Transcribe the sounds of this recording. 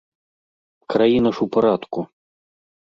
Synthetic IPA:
kɾajinɐʂupaɾat̪ku

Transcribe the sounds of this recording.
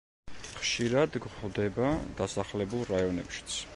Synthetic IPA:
χʃiɾad̪ɡʁd̪ɛbad̪asaχlɛbulˠɾaiɔnɛpʃi̥t̪sʰ

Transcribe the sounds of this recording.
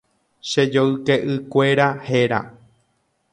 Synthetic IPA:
ʃed͡ʒoɨke̞ʔɨkʷe̞ɾahe̞ɾa̰

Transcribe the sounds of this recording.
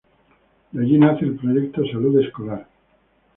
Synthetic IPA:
d̪aʎinaθeːlpɾoʝekt̪osaluðeskolaɾ

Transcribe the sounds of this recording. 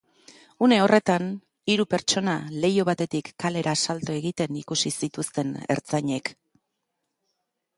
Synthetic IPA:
une̞o̞re̞t̪an | iɾupe̞ɾt͡ʃo̞nale̞jo̞βat̪e̞t̪ikːale̞ɾʔasalt̪o̞e̞ɣit̪e̞nikusisit̪ust̪e̞ne̞̰ɾt͡saɲe̞k

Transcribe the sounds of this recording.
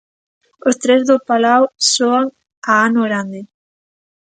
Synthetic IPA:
ost̪ɾezðʊpalawsoaŋ | aanoɾand̪ɪ

